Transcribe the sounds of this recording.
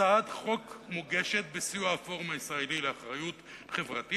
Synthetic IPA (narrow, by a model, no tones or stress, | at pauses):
adχo̞kmoɡeʃe̞t̪̚besiuafo̞ʁmaisʁaelileaχʁajut | χevʁati